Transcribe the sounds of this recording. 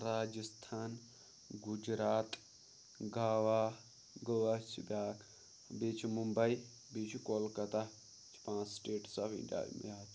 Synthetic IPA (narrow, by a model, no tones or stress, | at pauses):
ɾaːd͡ʒəst̪ʰaːn | ɡud͡ʒɾaːt̪ | ɡaːʋaː | ɡəʋɐt͡ʃʰbʲaːk | bit͡ʃʰimumbɐi | bit͡ʃʰkoːlkɐt̪a | t͡ʃʰpãːssʈeːʈsabḭ̃ɖʲa̰ːjmijaː